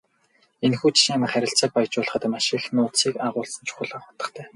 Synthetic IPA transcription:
enxuːt͡ɕʰi̥ʃĭŋamə̆χæɾʲɪ̆ɬt͡saːk̚paj̆t͡ɕʊːɮχə̆t̪maʃĭxnʊːt̪siːkaʁʊːɮsə̆nt͡ɕʰu̥xʊ̆ɮăχɔt̪ə̆χt̪ʰæː

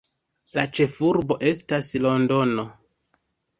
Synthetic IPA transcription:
lat͡ʃe̞fuɾbo̞ʔe̞staslo̞ndo̞no̞

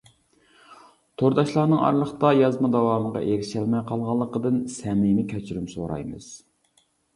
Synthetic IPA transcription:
t̪ʰoɾd̪ɑʃlˠɑːnɨŋɑ̰ɾlˠəχt̪ɑjɑzmɑd̪ɑwɑːmʁɑ̰ʔeɾɪʃɛlmɛjqʰɑlˠʁɑlˠːəqəd̪ɨnsɛmɪmɪkʲʰɛt͡ʃʰyɾymso̰ɾɑ̰jmɨ̰z̥

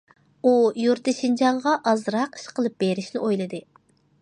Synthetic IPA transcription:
ujuɾt̪ɪʃind͡ʒɑŋʁɑʔɑzɾɑqi̥ʃqʰəlˠɨp̚b̥eɾɪʃnɪʔojlˠɨd̪ɨ

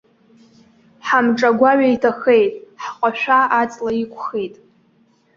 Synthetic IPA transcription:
ħamʈ͡ʂʼaɡʷaɥaitʰaxe̞jtʼħqʷʼaʃʷᶣaat͡sʼlaikʷʰʼχe̞jtʼ

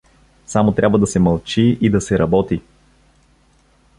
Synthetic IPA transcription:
samot̪ɾʲabvəd̪ɐsɛmɐlˠt͡ʃiid̪ɐsɛɾɐbɔt̪i

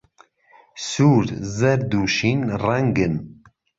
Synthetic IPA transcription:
suːɾzɛɾd̪uːʃiːnrɛŋɡɨn

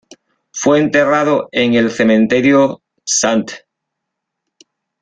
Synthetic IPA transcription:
fweːnt̪e̞rað̞oeŋe̞lθe̞mẽnt̪e̞ɾjo | sant̪

